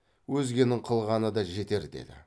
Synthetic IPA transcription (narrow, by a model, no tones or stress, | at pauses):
wɵzɡʲe̞nɪŋqʰəlˠʁɑnəd̪ɑʒe̞t̪e̞ɾd̪ḛd̪ɪ̰